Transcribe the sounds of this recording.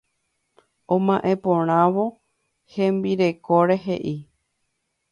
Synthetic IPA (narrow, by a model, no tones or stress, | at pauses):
õmãʔẽ̞põɾ̃ãʋo̞ | hẽ̞mbiɾe̞koɾe̞ɦe̞̰ʔi